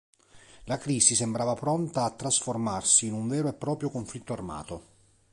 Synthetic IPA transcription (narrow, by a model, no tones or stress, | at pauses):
lakɾiːsisembɾaːvapɾont̪aːt̪ːɾasformarsiːnuɱveːɾoepːɾɔːpɾjokoɱflit̪ːoarma̰ːt̪o